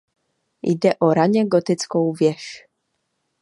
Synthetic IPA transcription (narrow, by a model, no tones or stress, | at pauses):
jd̪ɛʔɔɾaɲɛɡɔt̪ɪt͡sskɔwvʲjɛʃ